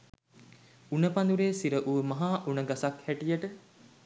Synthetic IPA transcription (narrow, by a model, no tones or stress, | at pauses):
unəpand̪uɾeːsiɾəʔuʋəmɐɦaːʔunəɡasakhæʈijəʈə